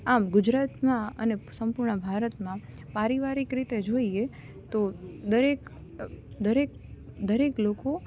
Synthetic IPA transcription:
amɡʊd͡ʒɾat̪mãə̰nesəmpuɾɳəbʱaɾət̪mã | paɾiʋaɾikɾit̪ed͡ʒoie | t̪od̪əɾek | d̪əɾek̚d̪əɾekloko

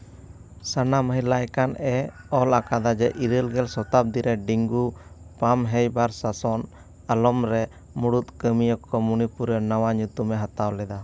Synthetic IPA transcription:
sanaməɦilajkanɛɔlakad̪ad͡ʒɛʔiɾəlɡɛlsɔt̪ap̚d̪iɾɛɖiŋɡupamɦɛjbaɾsasɔn | alɔmɾɛ | muɽut̪̚kəmijɔkɔmunipuɾənawaɲut̪umɛɦat̪awlɛd̪a

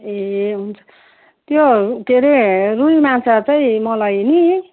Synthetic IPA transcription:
eɦunt͡sʰʌ̥ | t̪jot̪eɾerulimansat͡saĩmʌlajni

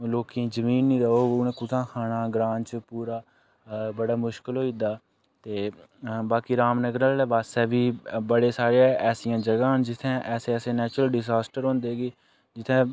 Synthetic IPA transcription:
loːkĩːzəmiːnːĩːɾəoːʊnẽːkʊt̪ʰãːkʰaːnaːɡɾaːnt͡ʃpuːɾaː | bəɽaːmʊʃkəlɦoːiːd̪aː | t̪eːbaːkiːɾaːmnəɡɾaːlebaːsɛːbiːbəɽeːsaːɾeɛːsijãːd͡ʒəɡaːnd͡ʒɪt̪ʰːẽːʔɛːseːɛːsẽːnɛːt͡ʃɾəlɖɪzaːsʈəɾõːnd̪eːɡiː | d͡ʒɪt̪ʰẽː

